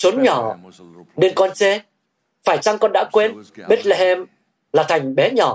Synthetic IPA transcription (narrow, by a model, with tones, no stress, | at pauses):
t͡ɕo˨˦nɲɔ˧˩ | ne˧nkɔ˧nt͡ɕe˨˧˦ | faː˧˩jt͡ɕa˧ŋkɔ˧nɗa̰ː˧˥kwe˧nɓe˦˥t̚lɛ˧hɛ˧m | laː˨˩t̪ʰa˨˩jŋ̟ɓɛ˨˦ɲɔ˧˩